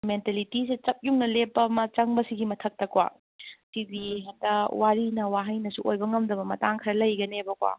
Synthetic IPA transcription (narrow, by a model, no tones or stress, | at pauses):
mentalitisit͡ʃɐp̚juŋnɐlepːɐmɐt͡ʃɐŋbɐsiɡimɐtʰɐk̚tɐkwa̰ | sidiɦatɐwaɾinɐwaɦɐjnɐsuʔojbɐŋɐmdɐbɐmɐtaŋkʰiɾɐlɐjɡɐnebɐkwa̰